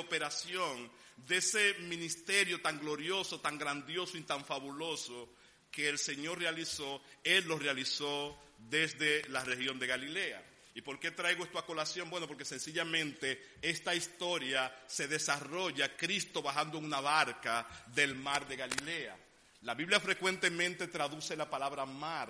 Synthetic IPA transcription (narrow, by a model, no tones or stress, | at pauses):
ope̞ɾasjo̞n | d̪e̞se̞mĩnist̪e̞ɾjo̞t̪aŋɡlo̞ɾjo̞so̞t̪aŋɡɾand̪jo̞soit̪aɱfaβulo̞so̞ | ke̞ːlse̞ɲo̞ɾrealiso̞elːo̞realiso̞ | ðe̞zðe̞lare̞hjond̪e̞ɣalile̞a̰ | ipo̞ɾke̞t̪ɾajɣoest̪ako̞lasjo̞ŋmbwe̞no̞p̬oɾke̞se̞nsiʝamẽ̞nt̪e̞ | e̞st̪aist̪o̞ɾjase̞ðe̞saro̞ʝakɾist̪o̞βahand̪oeŋunaβaɾkaðe̞lmaɾðe̞ɣalile̞a̰ | laβiβljafɾe̞kwe̞nt̪e̞mẽ̞nt̪e̞t̪ɾaðuse̞lapalaβɾamaɾ